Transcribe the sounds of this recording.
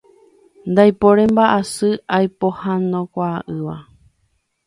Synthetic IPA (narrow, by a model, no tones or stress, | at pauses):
nd̪ajpoɾẽmbaʔasɨajpohanõkʷaːʔɨʋa